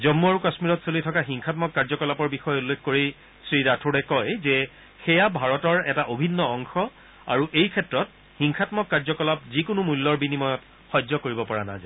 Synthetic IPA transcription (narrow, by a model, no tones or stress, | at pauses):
zɔmːuaɹukasmiɹɔtsolijtʰɔkaxiŋxʰatmɔkːaɹzɔkɔlapɔɹbixɔjulːekʰkoɹi | sɹiɹatʰoɹɛkɔjzɛ | xɛjabʱaɹɔtɔɹɛtaʔobʱinːɔɔŋxɔ | a̰ɹuʔejkʰɛtɹɔt | xiŋxʰatmɔkːaɹzɔkɔlap̚zikʊnumulːɔɹbinimɔjɔt | xɔzɔkoɹibɔpɔɹana̰za̰